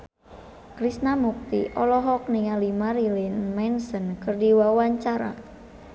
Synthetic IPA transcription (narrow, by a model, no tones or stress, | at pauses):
kɾisnamuk̚t̪ḭʔɔlɔɦɔk̚niŋalimaɾilinmansənkɨrdiwawaɲt͡ʃaɾa̰